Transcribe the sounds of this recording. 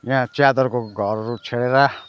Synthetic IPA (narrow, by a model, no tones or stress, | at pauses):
jãt͡ʃjad̪ɔɾkoɡʱɔɾɾut͡ʃʰeɽeɾa